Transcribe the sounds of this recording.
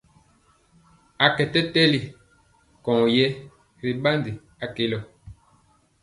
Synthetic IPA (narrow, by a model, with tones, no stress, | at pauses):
a˨kɛ˨tɛ˦tɛ˦li˨ | kɔ̃˨ŋ˨jɛ˦ | ɾi˨ɓa˦ndi˨ | a˨ke˨lɔ˨